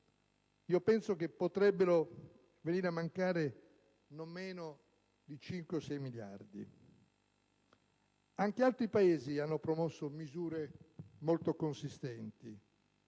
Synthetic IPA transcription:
iːopɛnsokepːot̪ɾɛbːeɾo | veniːɾamaŋkaːɾe | nomːeːno | d̪it͡ʃiŋkweosɛjmilja̰rd̪ḭ | aŋkealt̪ɾipaeːzianːopɾomosːomizuːɾemolt̪okonsist̪ɛnt̪i

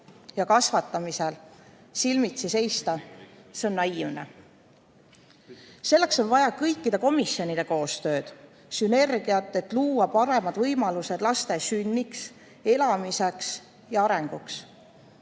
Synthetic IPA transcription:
jɑkɑsvɑt̪ːˑɑmiselsilmit̪sise̞jst̪ɑseonːɑinḛ | se̞lːe̞kso̞nvɑjɑkɤjkːid̪̥eko̞misjo̞nid̪e̞ko̞ːst̪ø̞ːd̪̥ | syne̞rɡ̥iɑt̪ːˑe̞t̪ːluːwɑpɑɾe̞mɑd̪vɤjmɑluse̞d̪̥lɑst̪e̞synʲːiks | e̞lɑmiseks | jɑɑɾe̞ŋɡ̥uks

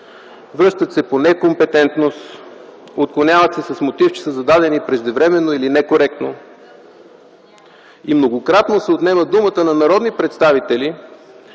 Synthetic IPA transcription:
vɾɤʃt̪ət̪sɛponɛkompɛt̪ɛnt̪nost̪ | ot̪̚klˠonʲavɐt̪sɛsɐsmot̪ift͡ʃɛ̥səzɐd̪ad̪ɛnipɾɛʒd̪ɛvɾɛmɛnːoilinɛkoɾɛk̚t̪no | imnoɡokɾat̪nosɛot̪nɛməd̪umət̪ənɐnɐɾɔd̪nipɾɛt̪st̪avit̪ɛli

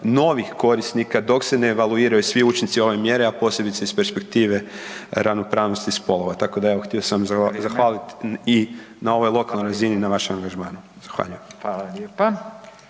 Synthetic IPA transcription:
no̞ʋixko̞ɾisnikad̪o̞kse̞neːʋaluiːɾajusʋiut͡ʃint̪sio̞ʋe̞mje̞ɾeapo̞ːse̞bit̪seispe̞ɾspe̞kt̪iːʋe̞ɾaʋno̞pɾaːʋno̞st̪ispo̞lo̞ʋat̪ako̞d̪aeʋoxt̪iosaamzaxaːlit̪i | nao̞ʋo̞jlˠo̞kalˠnojɾazininaʋaʃemaŋɡaʒmaːnu | z̥axʋa̰ːʎujemalaepa

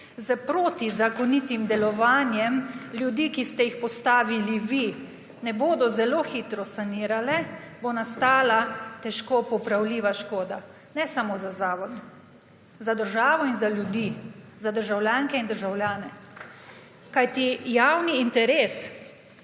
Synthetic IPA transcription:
zəpɾoːt̪izakɔnit̪imd̪ɛlɔʋaːnjɛmlʲjud̪iːkist̪ɛjixpɔst̪aːʋiliʋi | nɛboːd̪ɔzɛloːxit̪ɾɔsaniːɾalɛbonast̪aːlat̪ɛʃkopɔpɾawliːʋaʃkoːd̪a | nɛsamozazaːʋɔt̪ | zad̪əɾʒaːʋɔinzalʲjud̪i | zad̪əɾʒawljaːŋkɛind̪əɾʒawljaːnɛ | kajt̪ijawniːnt̪ɛɾeːs

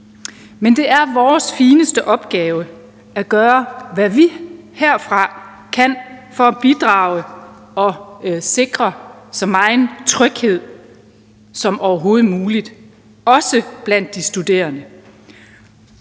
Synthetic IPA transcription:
mend̥e̝æɐʋɒːsfiːnəsd̥əʔɒ̽b̥ɡ̥ɛːʊə | æɡ̥ɶːɐʋæʋiheɐ̰fʁɑ̈ | kʰæn̰fɒ̽b̥id̥ʁɑ̈ʊ̰ə | ɒ̽se̝ɡ̥ʁɐsɒ̽mɑ̈ɪnt͡sʰʁœɡ̥he̝ð̞̰ˠ | sɒ̽mʔɒʊɐɦo̝ːð̞̩ˠmuːlid̥ | ɒ̽səb̥læn̰d̥ːisd̥ud̥e̝̰ːɐnə

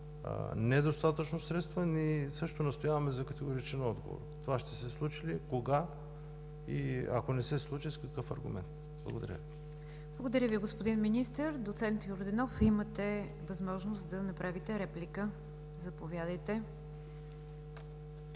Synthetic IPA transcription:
nɛd̪ost̪at̪ət͡ʃnosɾɛt̪st̪vənisɤʃt̪onɐst̪ojavɐmɛzɐkət̪ɛɡoɾit͡ʃɛnɔd̪ɡo̰vo̰ɾt̪ovaʃt̪ɛsɛslˠut͡ʃilikoɡa | ḭɐ̰konɛsɛslˠut͡ʃiskɐkɤfɐ̰ɾɡumɛ̰nt̪ | b̥lˠə̰ɡod̪ɐ̰ɾʲə̰ | blˠəɡod̪ɐɾʲəviɡospod̪inminist̪əɾd̪ot̪sɛnt̪joɾd̪ɛnɔfimət̪ɛ | vɐzmɔʒnost̪d̪ɐnɐpɾavit̪ɛɾɛplikə | zɐpovʲjad̪əjt̪ɛ

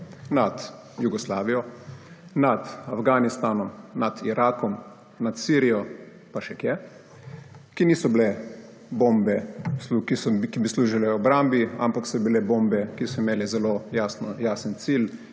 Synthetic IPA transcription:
nat̪ | juɡɔslaːʋijɔ | nat̪afɡanist̪aːnɔmnat̪iɾʔaːkɔm | nat̪siːɾijɔ | paʃɛkjɛ | kiniːsɔblɛ | boːmbɛsukisɔkibisluːʒilɛɔbɾambia̰mpaksɔbilɛbombɛkisɔimeːlɛzɛloːjaːsnɔjaːsənt̪sil

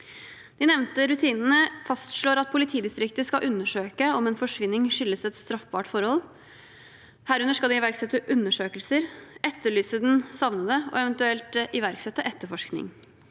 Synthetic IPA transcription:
d̪̥ɪnɛʋnt̪əɾʉt̪ʰiːnn̩əfɑst̪ʂɭoːɾɑt̪̚pʰʊlɪt̪ʰiːd̪ɪst̪ɾɪkt̪əskɑʔʉnːəʂøːkəɔmeːnfɔʂʋɪnːɪŋʂʏlːəsɛt̪st̪ɾɑfbɑːʈfɔɾhɔl | hæːɾʉnəʂkɑld̪ɪɪʋæɾksɛt̪ːəʔʉnːəʂøːkəlsəɾɛt̪ʰːəɭyːsəd̪ɛnsɑʋnəd̪əɔ̰ɛʋɛnt̪ʉɛlt̪ɪʋæɾksɛt̪ːəʔɛt̪ːəɾfɔʂknɪ̰ŋ

